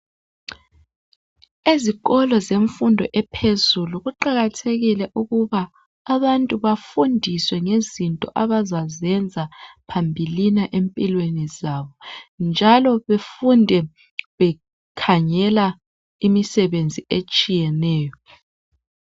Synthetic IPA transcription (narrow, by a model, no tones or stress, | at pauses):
iziɣɔlɔzeɱfundʱɔʔɛpʰezuluɣuǃaɣatʰeɣilɛʔuɣuβaː | βantʼuβafundʱiswɛŋezintʼɔʔaβazazɛnd͡zʱapʰambʱilinaʔempʼilwenizaβɔnd͡ʒʱalɔβefundʱɛ | βɛ | kʰaɲɛla | imisɛβend͡zʱiet͡ʃʼijɛnɛːjɔ